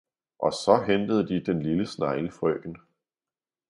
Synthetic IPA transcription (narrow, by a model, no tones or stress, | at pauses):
ʔɒ̽sɒ̽ɦend̥əð̞̩ˠd̥id̥enliləsnɑ̈ɪləfʁœːn